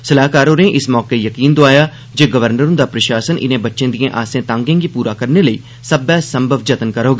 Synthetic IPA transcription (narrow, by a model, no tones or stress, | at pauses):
səlaːkaːɾoːnẽʔɪsmɔːkeːjəkiːnd̪oaːjaː | d͡ʒeːɡəʋəɾnəɾõːd̪aːpɾəʃaːsənʔɪ̰nẽːbətːʃẽːd̪iẽːʔaːsẽːt̪ãːŋɡẽːɡiːpuːɾaːkəɾneləiː | səbɛːsəmbʱəʋd͡ʒət̪ənkəɾoːɡaː